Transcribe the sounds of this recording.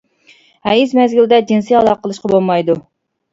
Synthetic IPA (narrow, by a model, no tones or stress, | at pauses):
hɛjizmɛzɡʲild̪ɛd͡ʒinsiɑlˠɑqəlˠɨʃqɑbolˠmɑjd̪u